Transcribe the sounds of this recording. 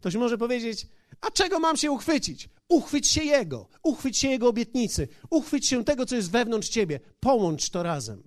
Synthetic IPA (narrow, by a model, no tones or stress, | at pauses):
kt̪ɔɕ̬mɔʐɛp̬ɔvʲjed͡ʑet͡ɕ | at͡ʂɛɡɔmamɕɛuxfɘt͡ɕit͡ɕ | uxfɘt͡ɕɕɛjɛɡɔ̰ | uxfɘt͡ɕɕɛjɛɡɔːbʲjɛt̪ɲit̪sɘuxfɘt͡ɕɕɛt̪ɛɡɔt̪ɔjɛst̪vɛvn̪ɔnʂt͡ɕebʲjɛpɔwɔnt͡ʂt̪ɔɾazɛ̰m